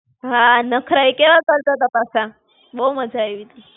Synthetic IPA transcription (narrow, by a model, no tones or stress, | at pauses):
ɦãnəkʰɾaikeʋat͡salt̪at̪apasã | boməd͡zʱajʋit̪i